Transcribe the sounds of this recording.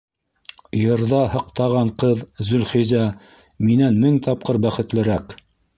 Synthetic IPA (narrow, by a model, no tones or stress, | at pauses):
jɤ̆ɾðɑhɤ̆qt̪ɑʁɑɴqɤðzɵ̆lχizæ | minænmɘŋt̪ɑp̚qɤɾbæχɘ̆t̪lɘ̆ɾæk